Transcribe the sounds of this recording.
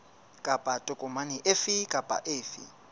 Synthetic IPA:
kʼapʼatʼʊkʼɔmaniʔefikʼapʼa̰ʔeːfḭ

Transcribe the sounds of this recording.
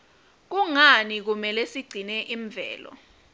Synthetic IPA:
k̬uŋanik̬umɛlɛsiɡ͡ǀʱinɛʔiɱvʱɛ̰ːlɔ̰

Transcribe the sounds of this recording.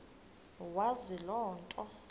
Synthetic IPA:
wazilɔːntʼɔ

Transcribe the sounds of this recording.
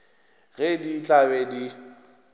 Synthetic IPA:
ɣɛdit͡ɬʼabɛdi

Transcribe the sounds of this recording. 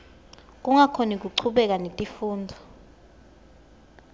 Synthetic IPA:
k̬ʼuŋakʰonik̬uǀʰuɓɛk̬anetʼifuːnd͡zʱɔ

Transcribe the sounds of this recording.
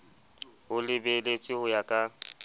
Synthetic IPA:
hʊlɪbelet͡sʼɪhʊjakʼa

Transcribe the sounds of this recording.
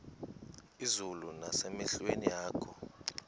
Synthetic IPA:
izulunasɛmɛɬwenijaːkʰɔ

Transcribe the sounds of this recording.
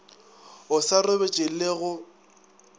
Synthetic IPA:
ʊsarʊbet͡ʃʼɪleɣʊ

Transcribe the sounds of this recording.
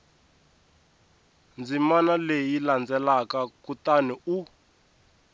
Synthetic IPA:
nd͡zimanalejiland͡zɛlakakutaniu

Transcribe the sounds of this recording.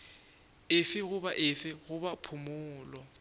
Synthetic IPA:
ɪfɪɣʊbaʔɪfɪɣʊbapʰʊmʊːlɔ

